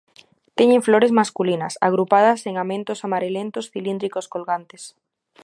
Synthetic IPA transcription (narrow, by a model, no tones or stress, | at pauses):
t̪eɲẽɱfloɾezmaskulinɐ̰sa̰ɣ̞ɾupað̞ɐseŋamẽnt̪osamaɾelent̪ʊsfilind̪ɾikoskolɣant̪es